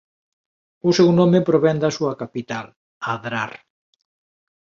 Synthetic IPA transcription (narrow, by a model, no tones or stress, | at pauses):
ʊsɛwnõmepɾoβɛnd̪asuɐkapit̪al | aðɾar